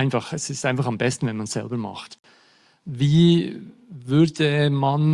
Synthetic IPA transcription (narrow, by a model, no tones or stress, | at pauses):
ɪnfɑχɛsɪstaɪnfɑχɑmbɛstn̩vɛnmansɛ̰lbəmɑ̰χt | viː | vʏɐdəman